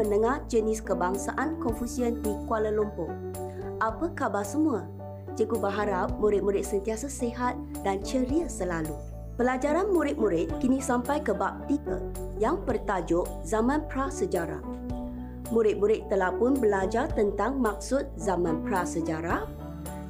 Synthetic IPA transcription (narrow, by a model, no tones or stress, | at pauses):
ənəŋahd͡ʒənɪskəbaŋsaʔankɔnfusiəndikualəlumpʊŋ | ʔapəkabasəmuə | d͡ʒəkubəɦaɾap̚muɾɪt̪̚muɾɪt̪̚sənt̪iasaseɦat̪̚ | dant͡ʃəɾiəsəlalu | pəlad͡ʒaɾanmuɾɪt̪̚muɾɪt̪̚kinisampajkəbap̚t̪ikə̰ | jaŋpərt̪ad͡ʒʊʔ | zamãnpɾasəd͡ʒaɾa̰ | muɾɪt̪̚muɾɪt̪ːəlahpʊnbəlad͡ʒart̪ənt̪aŋmak̚sʊt̪̚zamãnpɾasəd͡ʒaɾa